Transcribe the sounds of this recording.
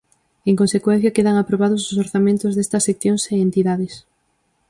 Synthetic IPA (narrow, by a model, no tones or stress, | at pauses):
eŋkõnsekwen̟θjɐkeðaŋapɾoβ̞aðʊsʊsoɾθamẽnt̪ʊzðest̪ɐsːekθjõŋseent̪iðaðes